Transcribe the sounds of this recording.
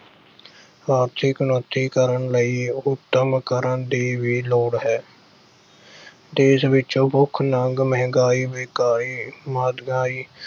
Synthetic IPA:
ɾaːɾt̪ʰɪknoːt̪ːiːkəɾəɳləiːʊt̪ːəmkəɾəɳd̪iːʋiːloːɽɦɛː | d̪eːsʋɪt͡ʃõːbʊkʰːnəŋɡməɦŋɡaːiːʋeːkaːɾiːmaːd̪ɡaːiː

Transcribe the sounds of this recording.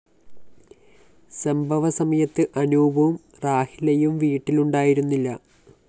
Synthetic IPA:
sɐmbʱɐʋɐsɐmɐjɐt̪ːɨʔɐnuːbʱɐum | raːhilɐjumʋiːʈːiluɳɖaːjiɾunːilːɐ

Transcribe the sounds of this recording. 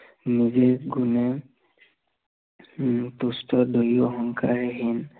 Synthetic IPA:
nizeɡune | t̪ustʰɔd̪ɔjjɔɦɔŋkʰaɹeɦin

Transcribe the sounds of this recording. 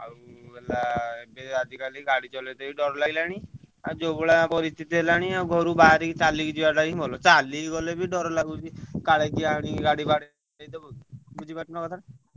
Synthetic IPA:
a̰uelaebead̪ʱikaliɡaɽit͡ʃɔled̪ebiɖɔɾɔlaɡilaɽ̃i | ad͡ʒobɔɭapɔɾist̪ʰit̪iɦelaɽ̃iauɡʱɔɾubaaɾikt͡ʃalikd͡ʒiwaɖaɾiibʱɔlɔt͡ʃaliɡɔlebʱiɖɔɾɔlaɡud͡ʒikaɭekiaɽ̃iɡaɽibaɽe | et̪ɔbud͡ʒʱibaʈɔnɔkɔt̪ʰae

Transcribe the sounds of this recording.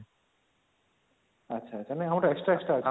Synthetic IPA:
ɐtːɕʰaːɕʰanajɦamʈaeksʈɾaeksʈɾa

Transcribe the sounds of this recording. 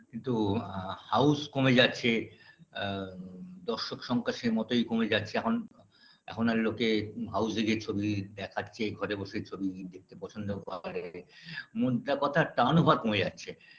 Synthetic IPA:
kint̪uhawskomed͡ʑatːɕʰe | d̪ɔɾʃokʃɔŋkaʃemɔt̪ojkomed͡ʑatːɕʰeɛkʰon | ɛ̰kʰonaɾlokeɦawseɡet͡ɕʰobid̪ɛkʰatːɕʰeɡʱɔɾeboʃeɾt͡ɕʰobid̪ek̚t̪epɔt͡ɕʰond̪obʱaɾemod̪akɔt̪ʰaʈanobʱaɾkomed͡ʑatːɕʰe

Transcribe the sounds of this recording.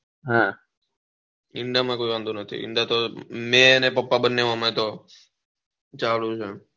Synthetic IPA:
ɦã | ɪɳɖamãkoːiʋãnd̪unət̪ʰḭɪ̰ɳɖat̪omẽənepəpːabənːeʋãməẽt̪o | t͡ʃaːlũt͡ʃʰe

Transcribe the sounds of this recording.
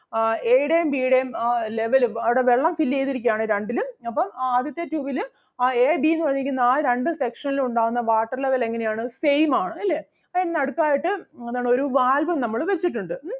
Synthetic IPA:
eːɽejmbiːɽemle̞ʋɐlumɐʋɨɽe̞ʋeɭːɐmfilːe̞jt̪iɾikʲːjaːɳɨɾeɳɖilumɐpːɐmaːd̪jɐt̪ːetuːʋil | eːbinːɨʋɐrɲːikʲːunːɐaːɾe̞ɳɖɨse̞kʂɐniluɳɖaːɣunːɐʋaːʈːɐrle̞ʋɐle̞ŋːɐne̞jaːɳɨsejmaːɳɨɐlːe̞ː | ɐennɐɽukːaːjiʈːɨeðaːɳo̞ɾuʋaːlbɐmnɐmːɐɭʋe̞t͡ɕːiʈːuɳɖɨ

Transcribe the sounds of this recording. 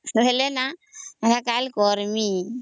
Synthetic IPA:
welenaaɾakalkɔɾmi

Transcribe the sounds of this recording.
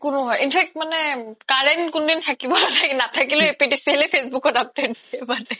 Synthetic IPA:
konoɦɔeʔinfʰɛk̚ʈmanekaɾenkond̪int̪ʰakibɔlanakinat̪ʰakiloepiʈisielefʰesbukoɾap̚ɖeɖ̚iebade

